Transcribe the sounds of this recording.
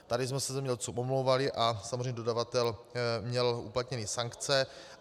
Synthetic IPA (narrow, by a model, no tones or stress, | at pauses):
t̪adɪsmɛsɛzɛmɲɛɛlt͡suwʔomlowvalɪʔasamzrɛjɲɛdodavat̪ɛlmɲɛlṵplat̪ɲɛniːsaŋkt͡sɛ